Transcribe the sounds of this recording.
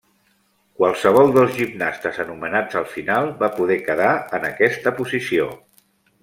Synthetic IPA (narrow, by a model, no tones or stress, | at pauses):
kwalˠsəβ̞ɔlˠd̪əlˠzʒibnast̪əzənumənad͡zəlˠfinalˠβapuðɛkəðaənəkɛst̪əpuzisio